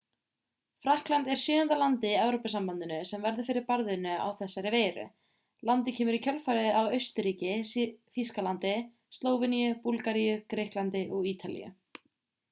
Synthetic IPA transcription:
fɾahklant̪ɛɾ̥sʏːðant̪alant̪ɪiɛwɾopasampant̪ɪnʏsɛmvɛɾðʏɾfɪɾɪɾpaɾðʏnːʏa̰wθɛsːaɾɪveːjɾʏ̰ | lant̪ɪcʰɛːmʏɾicʰœlfaɾɪawœɥst̪ʏɾiːcɪθiskalant̪ɪ | st̪loːwvɪnijʏpulkaɾijʏkɾehklant̪ɪʔɔɣiːt̪ʰalḭjʏ̰

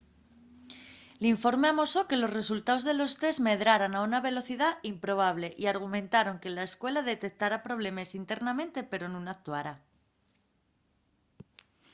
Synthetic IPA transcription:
liɱfo̞ɾme̞amo̞so̞ke̞lo̞sre̞sult̪ao̞zðe̞lo̞st̪e̞zme̞ðɾaɾanaunaβe̞lo̞θiðaimpɾo̞β̞aβle̞ʔiaɾɣ̞umẽ̞nt̪aɾo̞ŋke̞laeskwe̞laðe̞t̪e̞k̚t̪aɾapɾo̞β̞le̞me̞sint̪e̞ɾnamẽ̞nt̪e̞pe̞ɾo̞nũnak̚t̪uaɾa

